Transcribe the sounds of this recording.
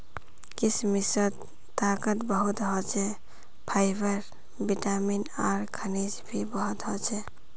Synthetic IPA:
kismisət̪ː | akət̪bəɦut̪ɦɔt͡ʃɛ | pʰaɪbʱəɾ | biʈaminaːɾkʰənid͡ʒbʱibəɦut̪ɦɔt͡ʃʰɛ

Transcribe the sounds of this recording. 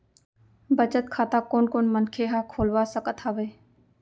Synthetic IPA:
bət͡ʃət̪kʰaːt̪aːkoːnkoːnmənkʰeːɦaːkʰoːlʋaːsəkət̪ʰaːʋeː

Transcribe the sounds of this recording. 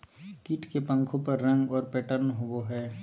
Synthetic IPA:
kiʈkepə̃ŋkʰõpɐɾːɐ̃ŋɡɔːɾpɛːʈəɾnɦowoɦɛː

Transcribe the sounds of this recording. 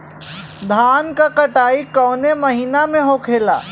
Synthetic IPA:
d̪ʱaːnkakəʈaːikɔːneməɦiːnamẽɦokʰeːla̰ː

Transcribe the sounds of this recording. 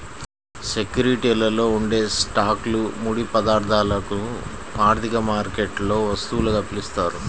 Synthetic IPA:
sekjuɾiʈilɐlo̞ːuɳɖe̞ːsʈaːklumuːɽipɐd̪aːɾd̪ʱaːlɐku | aːɾt̪ʰikɐmaːɾkeʈlo̞ːʋɐst̪uːlɐkɐpilist̪aːɾu

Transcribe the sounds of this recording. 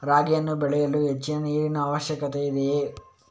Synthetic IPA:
ɾaːɡjɐnːubɛɭɛjɐluɦe̞t͡ʃːinɐniːɾinɐːʋɐʃjɐkɐt̪eid̪e

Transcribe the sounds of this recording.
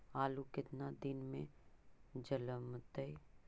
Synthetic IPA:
aːlukɪt̪nad̪ɪnmẽ | d͡ʒələmt̪əi

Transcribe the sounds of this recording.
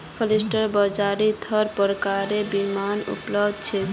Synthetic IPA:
fʰolisʈaɾbɔd͡ʑaɾid̪ʰʱɔɾpɔɾkaɾebimanṵplobd̪̚t͡ɕʰe

